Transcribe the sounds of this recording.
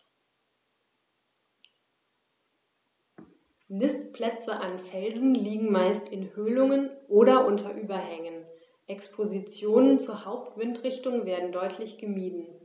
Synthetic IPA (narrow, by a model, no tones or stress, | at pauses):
nɪstpl̥ɛt͡səʔanfɛlzn̩liːɡŋ̩maɪstɪnhøːlʊŋənʔoːɾɐʔʊntʰɐʔyːbɐhɛŋən | ʔɛkspʰozit͡sjoːnənt͡suːɐhaʊp̚tv̥ɪntʁɪçtʊŋveːɐdn̩dɔʏtʰlɪçɡ̥əmiːdn̩